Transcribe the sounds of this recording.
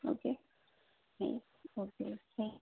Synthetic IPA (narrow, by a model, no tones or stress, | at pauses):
o̰ke | hḛ | okḛke